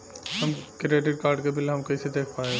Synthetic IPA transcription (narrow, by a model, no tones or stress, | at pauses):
ɦɐmkɾieːʈɪɖ̚kaːɾɖkebɪleɦɐmkɐised̪eːkʰpaːẽ